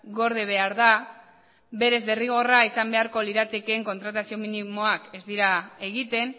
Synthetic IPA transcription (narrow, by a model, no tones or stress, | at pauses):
ɡo̞ɾð̞eβ̞e̞aɾða | be̞ɾe̞zðeriɣ̞o̞raisambe̞aɾko̞liɾat̪e̞keːŋko̞nt̪ɾat̪asio̞minimoake̞zd̪iɾae̞ɣit̪e̞n